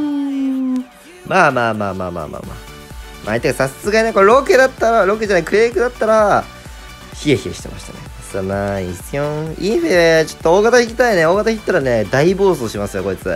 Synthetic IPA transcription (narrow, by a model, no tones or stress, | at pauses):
ɯ | maːmaːmaːma̰ːma̰ːma̰ːma̰ | mʔa̰ːit̪ːeɡasasɨsɨɡainekoɾo̞ked̪at̪ːaɾaɾo̞k̬ed͡ʑanaikɯ̟ɾeːikɯ̟d̪at̪ːaɾa | çie̞çieɕi̥t̪e̞ma̰ɕi̥t̪ane | sɨamaisɨjõizet͡ɕo̥t̪ːooːɡat̪açikʲi̥t̪aine̞o̞ːɡat̪açikʲit̪ːaɾane̞d̪aibo̞ːsoːɕimasɨjo̞ko̞it͡sɨ